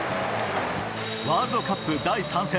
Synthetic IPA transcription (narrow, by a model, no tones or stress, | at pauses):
βaːɾɯd̪okapːɯd̪aisãɰ̃se